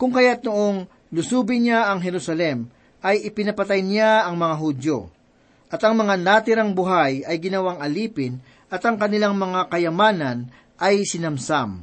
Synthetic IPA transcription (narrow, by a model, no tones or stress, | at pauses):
kʊŋkɐjat̪̚noʔoŋ | lʊsuːbɪnaɐŋɦɛɾusɐlɛm | ʔɐjɪpɪnɐpɐt̪ajnɪaɐŋmɐŋaɦud̪jo | ʔɐt̪ɐŋmɐŋanat̪ɪɾaŋbʊɦajɐjɡɪnɐwaŋɐliːpɪn | ʔɐt̪ɐŋkɐnɪlaŋmɐŋakɐjɐmaːnɐn | ʔɐjsɪnɐmsam